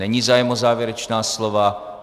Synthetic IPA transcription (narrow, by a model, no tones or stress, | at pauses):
ɛɲivzaːjɛmozaːvjɛɾɛt͡ʃnaːslova